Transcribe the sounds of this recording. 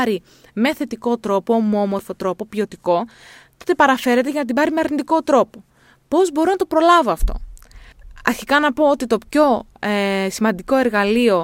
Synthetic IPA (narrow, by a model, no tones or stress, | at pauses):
ɾi | meθe̞t̪iko̞t̪ɾo̞po̞momo̞ɾfo̞t̪ɾo̞po̞pio̞t̪iko̞ | t̪o̞t̪e̞pɐɾɐfe̞ɾe̞t̪eʝɐnɐt̪ibɐɾimeɐɾnid̪iko̞t̪ɾo̞po̞ | po̞zbo̞ɾonɐt̪o̞pɾo̞lɐvoɐft̪o̞̰ | ɐ̰ɾçikɐnɐpo̞ot̪it̪o̞pço̞ | simɐnd̪iko̞e̞ɾɣɐlio̞